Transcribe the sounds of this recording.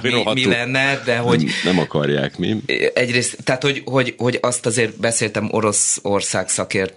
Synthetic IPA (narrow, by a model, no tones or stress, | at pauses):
omilɛnːɛd̪ɛɦo̞ɟnɛmɒkɒrja̰ːkmḭɛɟreːst̪ːɛːt̪ho̞ɟho̞ɟho̞ɟɒst̪ɒzeːrbɛseːlt̪ɛmʔo̞ɾo̞so̞rsaːksɒkeːrt̪